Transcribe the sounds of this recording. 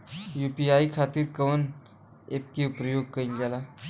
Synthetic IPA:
jupiaikʰat̪iːɾkəʋən | ep̚kiupɾəjoɡ̚kəilɡala

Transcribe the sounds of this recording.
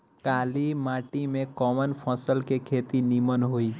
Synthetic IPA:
kaːlimaʈimẽkɔmənpʰɔsəlkekʰet̪inimənɦoi

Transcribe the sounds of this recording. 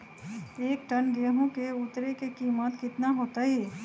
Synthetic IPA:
eːk̚ʈənɡeɦõkeʊt̪ɾekekiːmət̪kɪt̪naɦoːt̪aɦɛː

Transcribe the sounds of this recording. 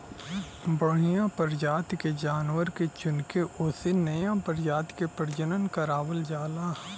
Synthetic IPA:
bəɽ̤ijãpəɾd͡ʒaːt̪ked͡ʒaːnwəɾket͡ʃʊnkeʔʊːsenɐjãpəɾd͡ʒaːt̪kepəɾd͡ʒənənkəɾaːʋəld͡ʒaːlaː

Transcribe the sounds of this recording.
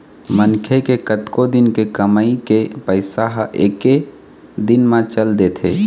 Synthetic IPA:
mənkʰekekət̪kod̪ɪnkekəmaikepəɪsaɦʔeːke | d̪ɪnmãt͡ʃəld̪eːt̪ʰeː

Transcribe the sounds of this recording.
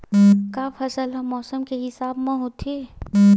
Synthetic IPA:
kaːfʰɐsəlɦɛmɔːsəmkeɦɪsaːbmãɦot̪ʰeː

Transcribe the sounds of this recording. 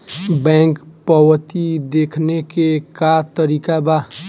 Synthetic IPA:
bɛ̃ːŋkpəwət̪id̪eːkʰnekekat̪əɾiːkaba

